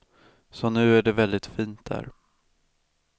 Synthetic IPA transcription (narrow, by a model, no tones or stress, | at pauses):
sɔnʉ̟ːæɖɛvɛld̪ɪt̪fiːnt̪̚d̪æ̰ːɾ